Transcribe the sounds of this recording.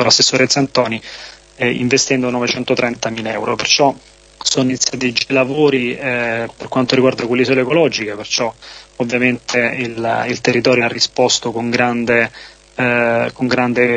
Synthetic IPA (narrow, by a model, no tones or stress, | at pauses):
olasːesːoːɾet̪sant̪ɔːni | ḭɱvest̪ɛnd̪onɔvet͡ʃɛnt̪ot̪ɾɛnt̪amiːleɛwɾopert͡ʃɔ | soːnoint̪sɾat̪ed͡ʒilavoːɾiɛperkwant̪oɾiɡward̪akwelːizoleːkolɔd͡ʒikepert͡ʃɔovːjament̪eililt̪erːit̪ɔːɾjoarːispɔst̪okoŋɡɾand̪e | koŋɡɾand̪e